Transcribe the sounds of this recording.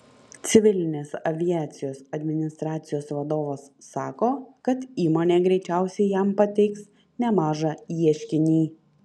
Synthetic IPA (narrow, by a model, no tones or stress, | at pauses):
t̪sʲɪʋʲɪlʲɪnʲeːsɐʋʲɪjæːt̪sʲɪjoːsɐd̪ʲmʲɪnʲɪst̪ɾɑːt̪sʲɪjoːsʋɐd̪oːʋosːɑːkoːkɐt̪iːmoːnʲeːɡɾʲɛɪt͡ʃʲæˑʊsʲɛɪjɛmpɐt̪ʲɛɪks | nʲɛmɑːʒɑiɛʃʲkʲɪnʲiː